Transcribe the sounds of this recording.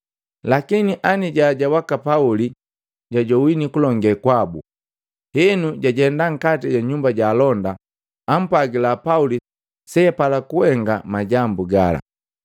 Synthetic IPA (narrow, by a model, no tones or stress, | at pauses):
lakiniʔaniɟaɟawakapauli | ɟaɟɔwinikulɔŋɡɛkwabu | hɛnuɟaɟɛndaŋ̩katiɟaɲumbaɟaːlɔndaː | m̩pwaɡilapauli | sɛpalakuwɛŋɡamaɟambuɡala̰